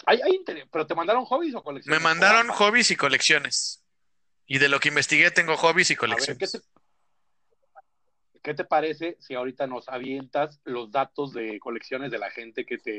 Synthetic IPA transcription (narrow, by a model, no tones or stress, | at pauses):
ajajint̪eɾespe̞ɾo̞t̪e̞mãnd̪aɾo̞ŋxo̞βis̬o̞ko̞leksjme̞mãnd̪aɾo̞ŋxo̞βisiko̞leksjo̞nes | iðe̞lo̞keimbe̞st̪iɣe̞t̪eŋɡo̞xo̞βisiko̞leaβkβeokee | ke̞t̪̬e̞paɾe̞se̞siaoɾit̪ano̞saβ̞je̞nt̪aslo̞zðat̪o̞zðe̞ko̞le̞ksjo̞nezðe̞la̰xe̞nt̪e̞ke̞t̪e